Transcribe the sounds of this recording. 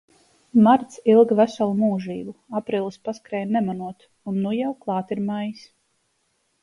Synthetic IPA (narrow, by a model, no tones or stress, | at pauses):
maɾt̪silˠɡvæsalˠumuːʒiːbuapɾiːlˠspaskɾɛjnɛmanuɔt̪ | unːujawklˠɑːt̪iɾmajis